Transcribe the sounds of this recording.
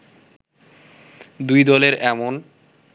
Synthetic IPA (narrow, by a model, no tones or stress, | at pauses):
d̪ujd̪ɔleɾɛmon